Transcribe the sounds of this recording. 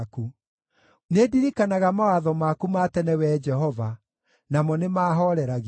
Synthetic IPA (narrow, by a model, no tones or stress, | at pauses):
ku | nediɾikanaɣamawaðɔmakumatɛnɛwɛd͡ʒɛɦɔva | namɔnemaːɦɔɾɛɾaɣ